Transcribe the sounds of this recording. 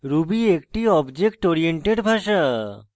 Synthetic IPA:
ɾubiek̚ʈiɔbd͡ʑek̚ʈoɾieɳʈeɖbʱaʃa

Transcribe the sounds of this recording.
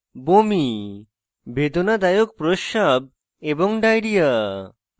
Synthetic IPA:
bomi | bʱed̪onad̪ajok̚pɾoʃab̚ | eboŋɖajɾija

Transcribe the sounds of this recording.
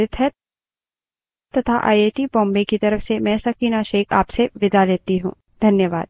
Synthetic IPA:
ɪt̪ʰɦɛ | t̪ɐt̪ʰa̰ʔa̰ːeːʈibɔ̃ːmbekit̪ɐɾəfsemɛ̃ːsɐkiːnaʃeːkʰa̰ːpseʋɪd̪aleːt̪iɦṵ̃ː | d̪ʱɐnjəʋaːd̪̥̚

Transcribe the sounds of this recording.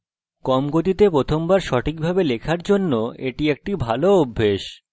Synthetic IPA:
kɔmɡot̪̬it̪epɾot̪ʰombaɾʃɔʈʰik̚bʱabelekʰaɾd͡ʑonːoeʈiek̚ʈibʱaloobʱːeʃ

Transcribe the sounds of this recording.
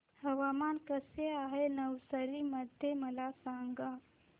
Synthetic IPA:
həʋamankəseaɦenəwsəɾiːməd̪ʱjeməlasaŋɡa

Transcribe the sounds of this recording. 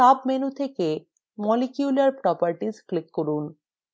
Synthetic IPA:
abmenut̪ʰeke | mɔlikjulaɾpɾɔpaɾʈisklikːoɾun

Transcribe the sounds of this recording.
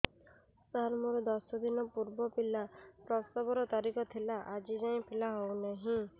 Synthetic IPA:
saɾmuɾɔd̪ɔsɔd̪inɔpuɾbɔpilapɾɔst̪abɔɾɔt̪aɾikɔt̪ʰilaʔad͡ʒid͡ʒaj̃pʰilaɦɔwnaɦĩ

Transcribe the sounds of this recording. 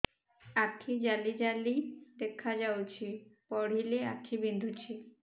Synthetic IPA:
akʰːid͡ʑalid͡ʑalid̪ekʰːad͡ʑawt͡ɕʰipɔɽ̤ilea̰kʰːibind̪ʱut͡ɕʰi

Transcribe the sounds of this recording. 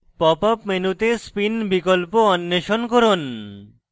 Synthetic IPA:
pɔpapmenut̪espinbikolpoɔnːeʃonkoɾon

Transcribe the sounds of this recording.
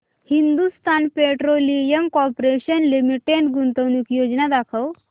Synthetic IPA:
hind̪ust̪ʰanpeʈɾolijəmkɔpɾeɕənlimiʈeɳʈɡunt̪əʋnukjod͡ʑnad̪akʰəw

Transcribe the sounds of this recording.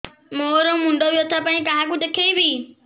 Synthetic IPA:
moːɾõmʊ̃ɳɖoʋijot̪ʰapaːĩkãɦãkʊd͡ʒəkʰeibi

